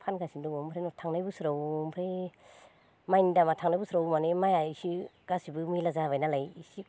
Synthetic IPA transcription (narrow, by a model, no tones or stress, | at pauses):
pʰanɡasindɔŋɔmpʰɾenɔtʰaŋnajbɯsɾawmpʰɾe | majnidamatʰaŋnajbsɾawmanemajaisiɡ̥asibɯmilazabajnalajisi